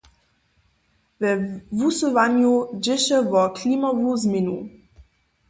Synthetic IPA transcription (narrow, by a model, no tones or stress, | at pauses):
vɛvusəvanjod͡ʒɪʃəvɔkʰliːmavuːzminṵ